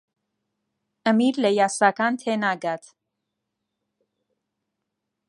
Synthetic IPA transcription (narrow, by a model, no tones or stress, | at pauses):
əmiɾləjaːsaːkaːnt̪ʰeːnaːɡaːt̪ʰ